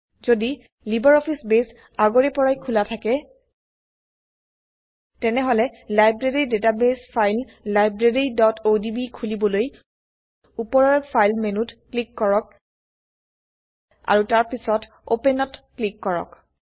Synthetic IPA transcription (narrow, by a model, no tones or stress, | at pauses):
zodi | libɔɹɔpʰisbes | aɡoɹɛpɔɹajkʰulatʰakɛ | tɛnɛɦɔlɛlajbɹeɹidetabespʰajlː | ajbɹeɹidɔtodibikʰulibɔloj | upɔɹɔɹpʰajlmenutklikːɔɹɔk̚ | a̰ɹutaɹpisɔt | o̰pɛnɔtklikːɔɹɔ̰k